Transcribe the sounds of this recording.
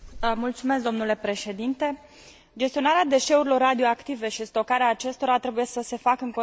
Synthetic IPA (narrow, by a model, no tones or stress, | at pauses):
mult̪sume̞sk̚d̪o̞mnule̞pɾe̞ʃe̞d̪int̪e̞ | d͡ʒe̞st̪io̞naɾead̪e̞ʃe̞uɾilo̞rːad̪io̞akt̪ive̞ʃist̪o̞kaɾeaːt͡ʃe̞st̪o̞ɾat̪ɾe̞buje̞səse̞fakəɨŋko